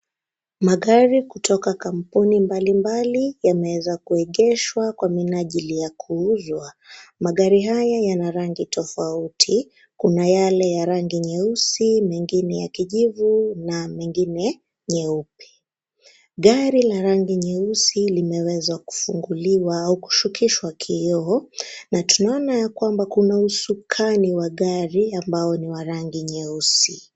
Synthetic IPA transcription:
maɠaɾikutʰɔkakam̩punimbalimbalijamɛwɛzakuɛɠɛʃwakwaminaʄilijakʰuuzwa | maɠaɾiɦajajanaɾaŋɡitʰɔfautʰi | kunajalɛjaɾaŋɡiɲɛusimɛŋɡinɛjakiʄivunamɛŋɡinɛ | ɲɛupi̥ | ɠaɾilaɾaŋɡiɲɛusilimɛwɛzaku̥fuŋɡuliwaauku̥ʃukiʃwakʰiɔɔnatunaɔnajakwambakunausukʰaniwaɠaɾiambajɔniwaɾaŋɡiɲɛusi

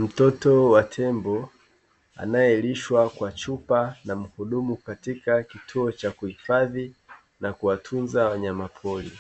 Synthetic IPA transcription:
m̩tɔtɔwatʰɛmbɔ | a̰najɛliʃwakwat͡ʃupanam̩huɗumukatikakitʰuɔt͡ʃakuhifaði | nakuwatʰunzawaɲamapʰɔlḭ

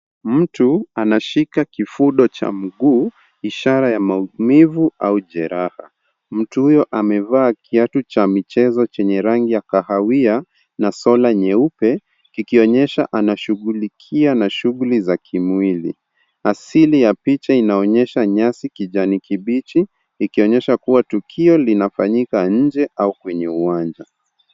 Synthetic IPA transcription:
m̩tuanaʃikakifuɗɔt͡ʃa̰m̩ɡuː | iʃaɾajamaumivuauʄɛɾaha̰ | m̩tuhujɔʔamɛvaːkʰiatut͡ʃamit͡ʃɛzɔt͡ʃɛɲɛɾaŋɡijakahawia | nasɔlaɲɛupɛ | kikiɔɲɛʃa̰ʔanaʃuɣulikʰianaʃuɣulizakʰimwilḭ | asilijapit͡ʃainaɔɲɛʃaɲasikiʄanikʰiɓit͡ʃiː | kiɔɲɛʃakuwatukʰiɔlinafaɲikaɲ̩d͡ʒɛʔaukwɛɲɛuwand͡ʒa

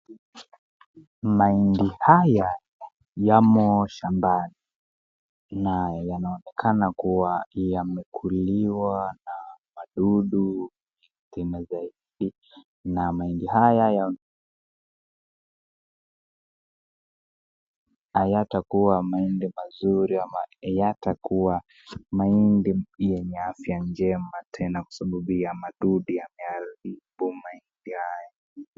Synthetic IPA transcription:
maindihaja | jamɔʃambani | najjanaɔnɛkʰanakuwajamɛkʰuliwanamaɗuɗu | i | timazaiɗi | namaindihajaja | ajatakuwamaindimazuɾiaajatakuwa | maindijɛɲɛafjand͡ʒɛmatʰɛnakwḁsaɓaɓujamaɗuɗiamɛaɾiɓumaindihaja

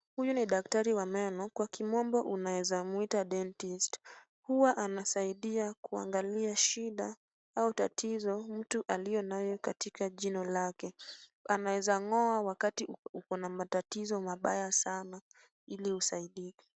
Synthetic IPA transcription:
hujuniɗak̚taɾiwamɛnɔkwakimɔmbɔʔunawɛzamuitaɗɛntist | huwaʔanasaiɗiakua̰ŋɡaliaʃiɗa | autatizɔm̩tuʔalijɔnajɔkatikaʄinɔlakɛanawɛzaŋɔawakatiukɔnamatatizɔmaɓajasana | ilihusaiɗikḁ

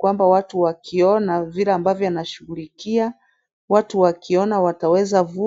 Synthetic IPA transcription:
wambawatuwakʰiɔnavilɛambavjɔwanaʃuɣulikia | watuwakʰiɔnawatawɛzavu

